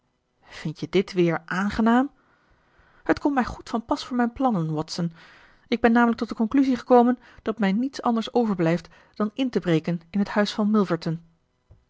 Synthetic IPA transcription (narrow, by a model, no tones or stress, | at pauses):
v̥ɪntjədɪtʋɪːɹʔaːnχənaːm | hətkɔmmɛjχutfɑnpɑsfʊːɹmɛjnplɑnənwɔtsən | ɪɡ̚bɛnːaːmələk̚tɔt̚dəkɔŋklyziχəkowmən | d̥ɑtmɛjnitsɑ̰ndəɹsowvəɹblɛjft | d̥ɑnɪntəbrejkənɪnɦəthœɥsfɑnmɪlˠvəɹtən